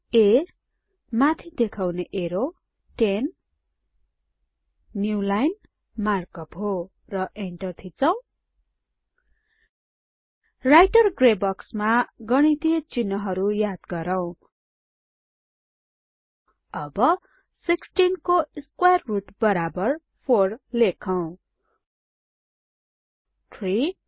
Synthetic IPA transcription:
e | mat̪ʰid̪ekʰawneʔeɾo | ʈen | julajn | markʌpɦo | rʌʔeɳʈʌrt̪ʰit͡sʌw̃ | rajʈʌrɡrebʌksmaɡʌɽ̃it̪iʌt͡sinːʌɦʌɾujad̪ɡʌɾʌw̃ | ʌbʌ | siksʈinkoskwajrːuʈbʌɾabʌr | pʰorlekʰʌw̃ | tʰri

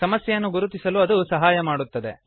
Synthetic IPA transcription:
sɐmɐsjɐjɐnːuɡuɾut̪isɐluɐd̪usɐɦaːjɐmaːɽut̪ːɐd̪e̞̰

